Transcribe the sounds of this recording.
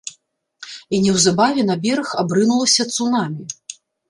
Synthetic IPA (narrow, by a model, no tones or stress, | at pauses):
inʲɛwzabavʲɛnabʲɛɾɐxabɾɨnulˠɐsʲɐt̪sunamʲi